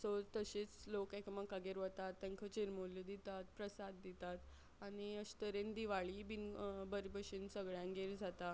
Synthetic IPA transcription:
sot̪əɕit͡slokekəmakaɡeɾʋət̪at̪ːẽŋkʰət͡ɕiɾmolid̪it̪at̪pɾəsad̪ːit̪at̪ | añiəɕt̪əɾend̪iʋaɭibinbəɾibəɕinsəɡɭjãŋɡeɾd͡zʱat̪a

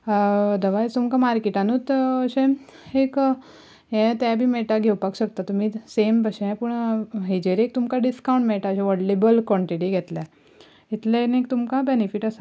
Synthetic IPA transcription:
d̪əʋajt̪umkamaɾkeʈanut̪əɕẽ | ek | ɦɛ̃t̪abʱiːmɛʈaɡʱewpakɕək̚t̪at̪um̤iːsembəɕẽɛ̃puɳɦed͡ʑeɾek̚t̪umkaɖiskawɳʈmɛʈaəɕẽʋɔɽlebəlkɔ̃ɳʈiʈiɡʱɛt̪le | it̪lenek̚t̪umkabenifiʈəsa

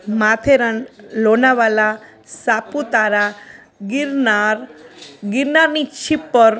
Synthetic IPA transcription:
mat̪ʰeɾanlonaʋala | saput̪aɾa | ɡɾnaɾɡiɾnaɾnit͡ʃʰipːəɾ

